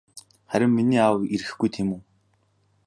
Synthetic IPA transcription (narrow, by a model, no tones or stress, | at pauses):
χæɾʲɪ̆mːiniːawiɾɘ̆ɘxɡujt̪ʰemuː